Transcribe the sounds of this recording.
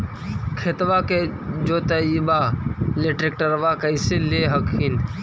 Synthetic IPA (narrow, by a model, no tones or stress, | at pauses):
kʰet̪ʋaked͡ʒoːt̪ɐibaleʈɾek̚ʈəɾʋakeɪseleɦɐkʰin